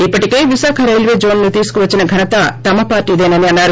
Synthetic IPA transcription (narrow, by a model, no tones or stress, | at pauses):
ipːɐʈike̞ːʋiʃaːkʰɐɾɐjlʋeːd͡ʒoːnnut̪iːsu̥kuʋɐt͡ʃːinɐɡʱɐnɐt̪ɐt̪ɐmɐpaːɾʈiːd̪eːnɐniɐnːaːɾu